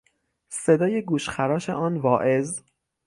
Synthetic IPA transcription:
se̞d̪ɒːje̞ɡuːʃxæɾɒːʃḛʔɒːnvɒːʔe̞z

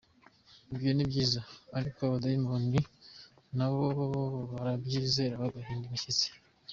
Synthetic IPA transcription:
ibjonibɟiːzaːɾikoβadajimoni | naβoβaɾabɟizeɾaβaɡaɦiːndimiʃit͡se̥

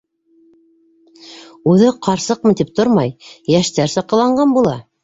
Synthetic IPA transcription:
ʉðɘqʰɑɾsɤq̚mɤt̪ip̚t̪oɾmɑjjæʃt̪æɾsɑqɤ̆lˠɑɴɢɑnbulˠɑ

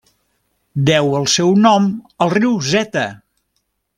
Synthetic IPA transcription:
d̪ɛwəlˠsɛwnɔməlˠriwzɛt̪ə

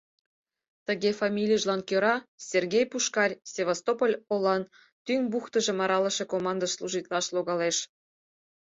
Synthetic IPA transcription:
t̪əɣefɑmʲilʲijʒlɑnkøɾɑsʲerɣʲejpuʃkɑrʲsʲevost̪opolʲolˠɑn | t̪yŋbuxt̪ə̆ʒĕmɑɾɑlə̆ʃekomɑnd̪əslˠuʒit̪lɑʃloɣɑleʃ

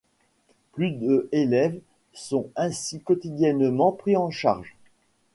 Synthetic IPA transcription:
plyd̪øʔelɛv | sɔ̃ɛ̃sikɔt̪id̪jɛnmɑ̃pχiɑ̃ʃa̰ʁʒ

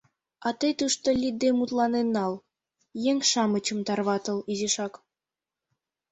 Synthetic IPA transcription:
ɑt̪ɤ̆jt̪uʃt̪olʲid̪d̪emut̪lɑnenːɑl | jeŋʲʃɑmə̆t͡ɕə̆mt̪ɑrβɑt̪ɤ̆lizeʃɑk

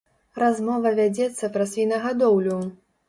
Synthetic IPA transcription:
ɾazmɔvɐvʲad͡zʲɛt̪sːɐpɾɐsʲvʲinɐɣad̪ɔwlʲu

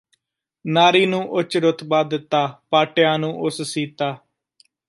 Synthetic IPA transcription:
naːɾiːnũːʔʊt͡ʃɾʊt̪baːd̪ɪt̪ːaːpaːʈɪjãːnũːʔʊssiːt̪aː

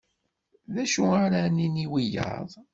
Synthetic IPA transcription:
ðæʃuaɾaniniwijɑ̰ðˤ

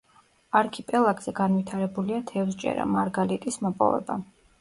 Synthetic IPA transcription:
aɾkʰipʼɛlˠaɡʼz̥ɛɡanvit̪ʰaɾɛbuliat̪ʰɛvsd͡ʒʼɛ̰ɾa̰maɾɡalit̪ʼismɔpʼɔ̰vɛ̰ba̰

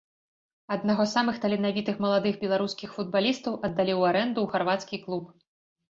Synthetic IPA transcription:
ɐd̪naɣɔsamɨxt̪ɐlʲɛnavʲit̪ɨxmɐlˠad̪ɨɣbʲɛlˠaɾuskʲixfud̪̚balʲist̪ɐwʔɐd̪ːalʲiwaɾɛnd̪uɣarvat̪skʲiklˠup̚

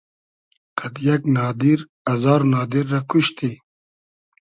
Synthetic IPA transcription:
kɐd̪jɐknɑːd̪iɾ | ɐzɑːɾnɑːd̪iɾːɐkuɕt̪i

